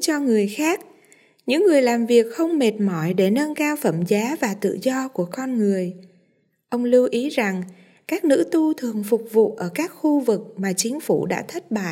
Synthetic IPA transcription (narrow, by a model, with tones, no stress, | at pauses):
t͡ɕɔ˧ŋɨ˨˩əjxaː˦˥k̚ | ɲɨ̰˧˥ŋːɨ˨˩əjlaː˨˩mvi˨˩ək̚xə˧wŋ͡mme˨˩t̚mɔ˧˩jɗe˧˩nə˧nkaː˧wfə˧˩mzaː˨˦vaː˨˩t̪ɨ̰˧˨zɔ˧ku˧˩əkɔ˧nŋɨ˨˩əj | ʔə˧wŋ͡mlɨ˧wʔi˨˦za˨˩ŋ | kaː˦˥k̚nɨ̰˧˥t̪u˧t̪ʰɨ˨˩əŋfʊ˨˩k͡p̚vṵ˧˨ʔəː˧˩kaː˦˥k̚xu˧vɨ˨˩k̚maː˨˩t͡ɕï˨˦ŋ̟fu˧˩ɗa̰ː˧˥t̪ʰə˦˥t̚ɓa̰ː˧˨